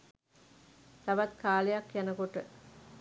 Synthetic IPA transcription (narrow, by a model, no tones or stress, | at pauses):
t̪aʋat̪kaːlejakjanəkoʈə